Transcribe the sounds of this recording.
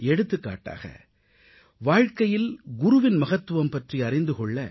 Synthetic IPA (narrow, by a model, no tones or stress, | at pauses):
ɛɽɯt̪ːɯkːa̰ːʈːa̰ːɣɐ̰ | ʋaːɻkɐjɪlɡʊɾʊʋɪnmɐɣɐt̪ːɯʋɐmpɐʈriɐɾɪnd̪ɯkɔɭːɐ